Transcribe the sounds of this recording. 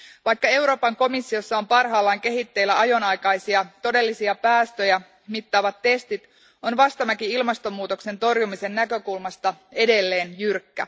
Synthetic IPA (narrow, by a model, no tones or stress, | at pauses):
ʋɑjkːɑe̞wɾo̞ːpɑŋko̞misːio̞sːɑo̞mpɑrɦɑːlːɑːŋke̞ɦit̪ːe̞ilːæɑjo̞nɑjkɑjsiɑt̪o̞de̞lːisiɑpæːst̪ø̞jæ | mit̪ːɑːʋɑt̪ːe̞st̪it̪ | o̞nʋɑst̪ɑmækiilmɑst̪o̞mːuːt̪o̞kse̞nt̪o̞rjumise̞nːækø̞kulmɑst̪ɑe̞de̞lːe̞ːnjyrkːæ̰